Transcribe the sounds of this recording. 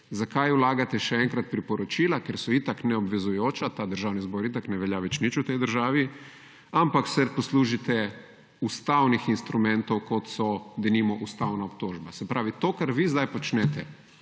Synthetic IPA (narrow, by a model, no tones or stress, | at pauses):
zakajulaːɡat̪ɛʃɛɛŋkɾat̪̚pɾipɔɾɔt͡ʃiːlakeɾsɔit̪aknɛɔbʋɛzujoːt͡ʃat̪aːd̪əɾʒaːwnizboːɾit̪aknɛʋɛljaʋɛt͡ʃnit͡ʃut̪ɛjd̪əɾʒaːʋi | ampaksɛd̪posluːʒit̪ɛ | ust̪awnixinst̪ɾumɛnt̪owkot̪sɔd̪ɛnimɔʔust̪awnaop̚t̪oːʒbasɛpɾʔaːʋit̪okaɾʋizd̪ajpɔt͡ʃnɛt̪ɛ